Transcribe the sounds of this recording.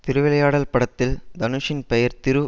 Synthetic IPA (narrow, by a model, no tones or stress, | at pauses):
t̪ɪɾɯʋɪlɐjaːɽɐlpɐɽɐt̪ːɪld̪ɐnɯʂɪnpɛjɐɾt̪ɪɾɯ